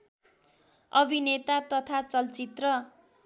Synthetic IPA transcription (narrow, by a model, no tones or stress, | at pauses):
ʌbʱinet̪at̪ʌt̪ʰat͡sʌlt͡sit̪rʌ